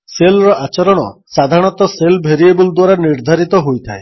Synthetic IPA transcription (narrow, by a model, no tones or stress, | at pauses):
selɾɔʔat͡ʃɔɾɔɽ̃ɔ̰sad̪ʱaɾɽ̃ɔt̪ɔselbʱeɾiebuld̪waɾaniɾd̪ʱaɾit̪ɔɦojt̪ʰae